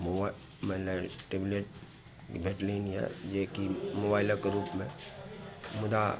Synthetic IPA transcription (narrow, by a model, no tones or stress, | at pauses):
mo | malaʈebleʈ̚ | bʱeːʈlinjɛ̰d͡ʒekimobaːɪləkeɾuːpmẽ | mʊd̪a